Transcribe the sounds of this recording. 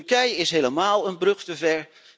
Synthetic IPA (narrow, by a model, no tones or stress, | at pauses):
kɛjɪsɦejləmaːlˠənbrɵχtəvɛɹ